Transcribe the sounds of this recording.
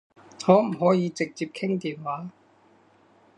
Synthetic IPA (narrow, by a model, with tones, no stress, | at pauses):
ŋɔː˨˥m̩˨˩ɦɔː˨˥jiː˨˧t͡sɪ˨k̚t͡siː˧p̚kʰɪ˥ŋt̪iː˨˩nwaː˨˥